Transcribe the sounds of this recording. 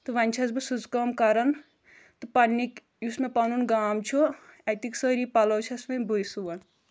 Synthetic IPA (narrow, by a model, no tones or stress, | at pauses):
t̪ɨʋɐnʲt͡ʃʰɐsbɨsuzkɐmkɐɾɐn | t̪ɨpɐnːik | jusmepɐnunɡaːmt͡ʃʰuɐt̪iksəɾipɐlowt͡ʃʰɐsmebujsuʋɐn